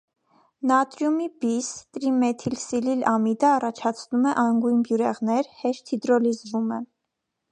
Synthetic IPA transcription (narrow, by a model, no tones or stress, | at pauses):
nɑt̪ɾjumibist̪ɾimɛt̪ʰilsililɑmid̪əɑrɑt͡ʃʰɑt͡sʰnumɛʔɑŋɡujnbjuɾɛʁnɛɾhɛʃt̪hid̪ɾɔlizvumɛ